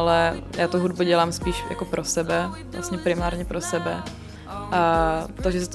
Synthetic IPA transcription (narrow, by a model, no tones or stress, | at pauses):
lɛjʔaːt̪oɦud̚buɟɛlaːmspiːʃja̰kopɾʔosɛbɛvla̰st̪ɲɛpɾɪmaːɾɲɛpɾosɛbɛ | ʔat̪oʒɛsɛt̪